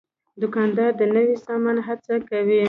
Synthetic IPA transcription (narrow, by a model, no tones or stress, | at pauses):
d̪ʊkɑnd̪ɑɾd̪ənəwisɑmanɦat͡sakawi